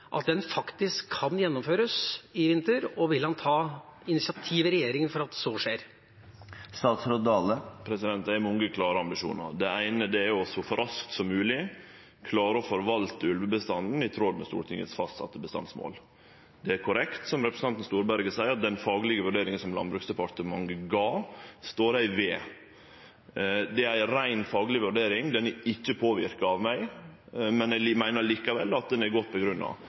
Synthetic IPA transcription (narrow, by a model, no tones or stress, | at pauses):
ʔɑ̰t̪̚d̪ɛnfɑkt̪ɪskʰːɑnjɛnːɔmføːɾəsɪʋɪnt̪əɾɔʋɪlhɑnt̪ʰɑːɪnɪsɪɑt̪ʰiːʋəɾɛjeːɾɪŋənfɔɾɑt̪̚d̪soːʂeːɾ | st̪ɑːt̪sɾoːt̪̚ɑːləpʰɾɛsɪd̪ɛnt̪æmʊŋɡəkʰlɑːɾəɑmbɪʂṵːnɑ̰ɾd̪ɛæɪnəd̪ɛæɾɔsɔfɔɾʔɑskt̪sɔmːʉːlɪ | kʰlɑːɾəɔfɔɾʋɑlt̪əʉlʋəbəst̪ɑnn̩ɪt̪ʰɾod̪mɛst̪ṵːʈʰɪŋə̰sfɑst̪sɑ̰t̪ːəbəst̪ɑ̰nsmo̰ːl | d̪ɛæɾkʰʊɾɛkt̪sɔmɾɛpɾəsn̩ɑnt̪n̩st̪uːɾbæɾɡəsæɪəɾɑt̪̚d̪ɛnfɑːɡəlɪɡəʋʉɖeːɾɪŋənsɔmlɑ̰nbɾʉksd̪ɛpʰɑt̪əmɑŋɡəɡɑːst̪oːɾæɪʋeː | d̪ɛæɪɾæɪnfɑːɡlɪʋʉɖeːɾɪŋd̪ɛnɪçːəpʰoːʋɪ̰ɾkɑɑʋmæɪ | mɛnæɪlmæɪnəɾɭiːkɑʋɛ̰lːɑt̪̚d̪ɛnæɾɡɔt̪̚ːpʰɔɡɾʉnːɑ̰ʋ